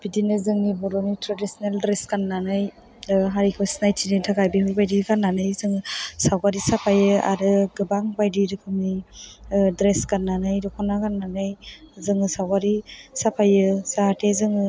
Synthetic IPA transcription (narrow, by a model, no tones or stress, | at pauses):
b̥idinɯzɯŋnibɔɾɔnitɾadisɔneldɾeskanːanɯj | ɦaɾikʰɔsnajtʰinentʰakajbihɯbajdiɾkʰanːanɯjzɯŋɯsawɡaɾisapʰajɯa̰ɾɯɡɯbaŋbajdiɾɯkʰɯŋni | dɾeskanːanɯjɾɔkʰɔnakanːanɯjzɯŋɯsawɡaɾisapʰajɯsaɦatezɯŋɯ